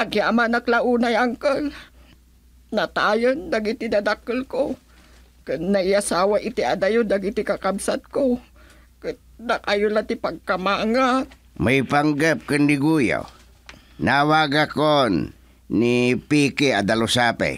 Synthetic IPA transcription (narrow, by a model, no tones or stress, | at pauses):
aɡiamanaklaʔunajaŋkəl | nat̪ajənd̪aɡit̪id̪ad̪akəlko | kɨnːaiasawaʔit̪ia̰d̪ajʊd̪aɡit̪ikakabsat̪̚ko | kɨt̪nakajʊlat̪ipaɡ̚kamaŋa | maipaŋɡəp̚kɨnːiɡuja̰w | nawaɡakonː | ipikiad̪alusapa̰j